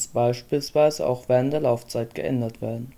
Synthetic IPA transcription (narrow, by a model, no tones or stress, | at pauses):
sb̥aɪʃpiːlsv̥aɪzəʔa̰ʊxv̥eːʁəntd̥eːɐlaʊft͡saɪtɡ̥ə̰ʔɛ̰ndɐtv̥eːɐdn̩